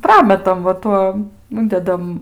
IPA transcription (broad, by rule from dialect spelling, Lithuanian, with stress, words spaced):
ˈprɑːmʲɛtɐm ʋɐ ˈtuɔm ˈʊnʲdʲɛdɐm